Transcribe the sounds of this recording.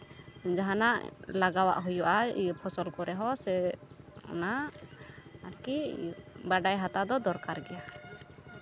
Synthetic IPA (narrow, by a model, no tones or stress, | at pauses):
d͡ʒaɦanaʔlaɡawa̰ʔɦujɔʔa̰pʰɔsɔlkɔɾɛɦɔsɛ | ɔ̰na | aɾkibaɖajɦat̪ad̪ɔd̪ɔɾkaɾɡɛja